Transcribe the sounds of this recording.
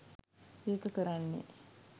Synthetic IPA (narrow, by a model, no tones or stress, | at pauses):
eːkəkəɾanːḛ